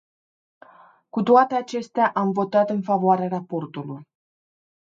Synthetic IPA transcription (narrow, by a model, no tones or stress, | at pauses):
kut̪oat̪e̞at͡ʃe̞st̪eaʔamvo̞t̪at̪ɨnfavoaɾearapo̞rt̪uluj